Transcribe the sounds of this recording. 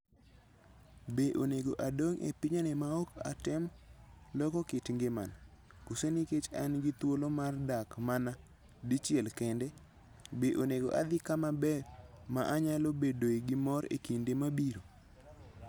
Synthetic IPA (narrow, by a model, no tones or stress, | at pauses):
beʔoneɡoʔadoŋḛpiɲanemaoka̰tɛmlɔkɔkɪtŋɡema̰na | kuseniket͡ʃanɡɪt̪wolomardakmana | dit͡ʃɪɛlkendɛ | beʔoneɡo̰ʔa̰d̪ɪkamabɛmaʔaɲalobedoiɡɪmɔɾḛkindemabiɾo